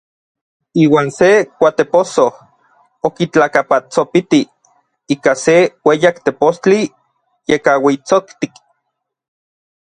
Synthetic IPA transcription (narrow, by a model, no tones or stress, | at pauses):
iːwaːnsekʷat̪eposoh | okit͡ɬakapat͡sopit̪i | iːkasewejakt̪epost͡ɬi | jekawit͡sokt̪ik